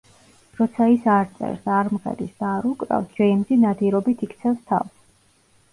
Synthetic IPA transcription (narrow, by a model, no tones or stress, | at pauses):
ɾɔt̪sʰaisaɾt̪sʼɛ̰ɾsaɾmχɛ̰d̪isd̪aːɾukʼɾa̰vsd͡ʒɛimzinad̪iɾɔbit̪ʰikʰt̪sʰɛfst̪ʰa̰vs